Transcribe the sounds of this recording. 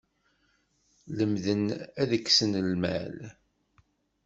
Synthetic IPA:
ləmðənæðəkːsənəlmæ̰l

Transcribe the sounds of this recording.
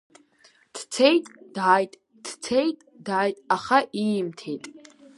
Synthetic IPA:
d̥ʰt͡sʰejtʼd̥aːjtʼ | d̥t͡sʰejtʼdaːjtʼaχaʔimtʰe̞jtʼ

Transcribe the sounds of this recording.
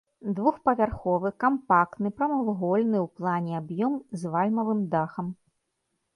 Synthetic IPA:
d̪vuxpɐvʲarxɔvɨkampakt̪nɨpɾɐmɐlˠɣɔlʲnɨwplˠanʲɛabjɔmzvalʲmɐvɨmd̪axɐm

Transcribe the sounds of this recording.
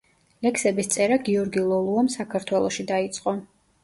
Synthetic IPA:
lɛksɛbist̪sʼɛɾaɡiɔɾɡilˠɔlˠuamsakʰaɾt̪ʰwɛlˠɔʃid̪ait̪sʼqʼɔ

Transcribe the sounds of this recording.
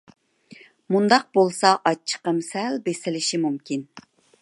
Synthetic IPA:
mund̪ɑq̚bolˠsɑʔɑt͡ʃʰːə̥qəmsɛlbesɪlɪʃimumkʲin

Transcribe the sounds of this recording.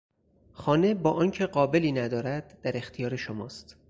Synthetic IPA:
xɒːne̞bɒːʔɒːncʰe̞ɢɒːbe̞liːnæd̪ɒːɾæd̪̥ːæɾe̞xt̪ʰijɒːɾeʃomɒ̰ːst̪

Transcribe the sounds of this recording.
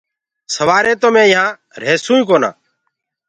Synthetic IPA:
səʋaːɾẽːt̪omẽːɪ̃ɦãː | ɾeːsũːũːkoːnã̰ː

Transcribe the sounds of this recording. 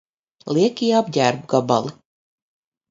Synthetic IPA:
lˠiɛkiːabɟʲæːɾbɡaba̰lˠi

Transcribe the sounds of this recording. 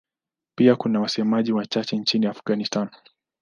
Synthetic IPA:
piakunawasɛmaʄiwat͡ʃat͡ʃɛnt͡ʃiniafɡanistan

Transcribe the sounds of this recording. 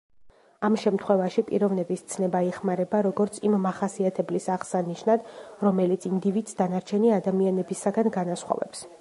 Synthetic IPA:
amʃɛmt̪ʰχwɛvaʃipʼḭɾɔvnɛbist̪sʰnɛbaiχmaɾɛbaɾɔɡɔɾt̪sʰimːaχasiat̪ʰɛblisaʁsaniʃnad̪̥ɾɔmɛlit̪sʰind̪ivid̪sd̪anaɾt͡ʃʰɛniad̪amianɛbisaɡanɡanasχwɔ̰vɛ̰ps

